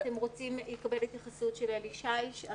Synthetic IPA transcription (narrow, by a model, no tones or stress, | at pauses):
t̪e̞mʁo̞t͡simlekabe̞let̪jaχasut̪ʃeleliʃajʃa